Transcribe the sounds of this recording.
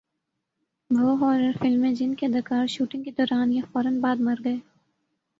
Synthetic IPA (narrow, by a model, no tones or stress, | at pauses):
bʱɐɦɔːɾəɾfɪlmẽd͡ʒɪnked̪ɐkaːɾʃuːʈɪ̃ŋɡked̪ɔːɾaːnjɐfɔːɾənbaːd̪mɐɾɡɐeː